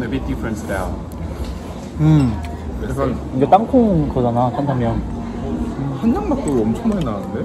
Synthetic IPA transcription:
mebidifʰɾensdaʊn | ɯm | ikʰaiɡat͈aŋkʰoŋkʌd͡ʑanat͈ʰantʰamjʌn | hand͡ʑaŋmak̚t͈oɡiʌmt͡ɕʰʌŋmaenaɯnde

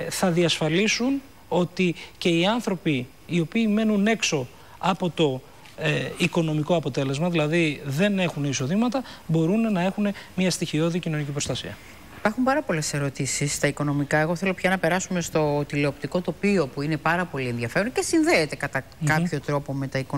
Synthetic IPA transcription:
θɐðiɐsfɐlisun | o̞t̪ice̞iɐnθɾo̞piː | o̞piːme̞nune̞kso̞ | ɐpo̞t̪o̞ | iko̞no̞miko̞ɐpo̞t̪e̞le̞zmɐðilɐðiðe̞ne̞xuniso̞ðimɐt̪ɐbo̞ɾunnɐe̞xune̞mɲɐst̪içio̞ðicino̞nicipɾo̞st̪ɐsḭɐ̰ | ipɐɾxumpɐɾɐpo̞le̞se̞ɾo̞t̪isisːt̪ɐiko̞no̞mikɐe̞ɣo̞θe̞lo̞pçɐnɐpeɾɐsume̞st̪o̞t̪ile̞opt̪iko̞t̪o̞pio̞puine̞pɐɾɐpo̞lie̞nðʝɐfe̞ɾonce̞sinðeːt̪e̞kɐt̪ɐ | kɐpço̞t̪ɾo̞po̞me̞t̪ɐiko

